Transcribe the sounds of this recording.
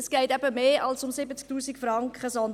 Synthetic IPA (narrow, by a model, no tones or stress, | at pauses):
sɡ̥ɛɪtɛbəmeːʔɑlsʊmsɪbət͡sk̚tuːsikfrɑŋkχəsɔn